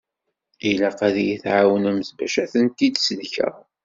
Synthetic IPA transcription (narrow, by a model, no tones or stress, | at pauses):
ilæqæðijiθʕawənæməsbæ̰ʃæθənt̪id̪səðçæ̰